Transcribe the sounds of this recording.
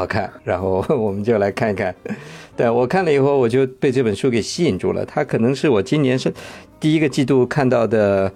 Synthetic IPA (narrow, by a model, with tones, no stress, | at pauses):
ɑ˨˩kʰa̰˥˩nɻa˧˥nxo˥˩ʊwɔ˨˩mə˦nt͡ɕjo˥˧ʊla˧˥ɪkʰa˥˩ni˧˥kʰa˥˩nt̪a˥˧˩wɔ˨˩kʰa˥˩nlə˩i˨˩xo˥˩ʊwɔ˨˩t͡ɕjo˥˧ʊpe˥˧ɪʈ͡ʂɤ˥˩pə˨˩nʂu˥˩ke˨˩ɪɕi˥˨˩nʈ͡ʂu˥˩lə̰˩t̪ʰa˥kʰɤ˨˩nɤ˧˥ŋʂɻ̩˥˩wɔ˨˩t͡ɕi˥njɛ˧˥nʂə˥˧t̪i˥˩i˥ɡə˧t͡ɕi˥˧t̪̬u˥˩kʰa˥˧nt̪ɑ˥˩ʊd̪ə˩